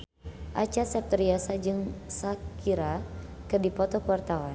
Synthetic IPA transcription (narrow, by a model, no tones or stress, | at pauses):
ʔat͡ʃasɛp̚t̪əɾiasad͡ʒɨŋsakiɾa | kədipɔt̪ɔkəwart̪awan